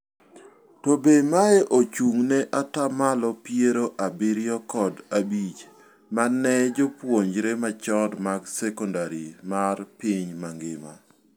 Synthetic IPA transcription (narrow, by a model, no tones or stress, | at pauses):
tɔbemaɛʔot͡ʃuŋnɛʔatamalɔpjeɾoʔabɪɾjɔkɔdabit͡ʃ | manɛd͡ʒopwoɲd͡ʒɾemat͡ʃɔdmaɡsɛkɔndaɾimarpɪɲmaŋɡɪma̰